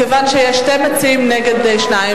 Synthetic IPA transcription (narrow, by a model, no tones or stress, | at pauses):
əvanʃɛɛʃtɛmət͡siːmnɛɡədɛʃnaɪə